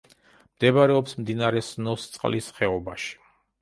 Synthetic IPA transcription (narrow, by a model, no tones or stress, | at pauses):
md̪̥ɛbaɾɛɔpsmd̪inaɾɛsnɔst̪sʼqʼlisχɛɔbaʃi̥